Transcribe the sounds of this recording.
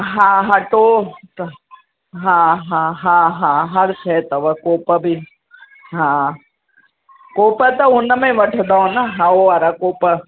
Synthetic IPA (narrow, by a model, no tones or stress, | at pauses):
ɦãɦɐʈot̪ | ɦãːɦãːɦãːɦãːɦɐɾsʰɛt̪ɐʋəkoːpəbʱi | ɦã | koːpət̪ɐʊnəmẽʋɐʈʰd̪aõnaɦãoɐɾakoːpə